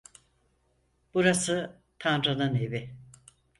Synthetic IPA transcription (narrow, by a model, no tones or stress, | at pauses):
b̥uɾasɯ | t̪ʰanɾanɯnevɪ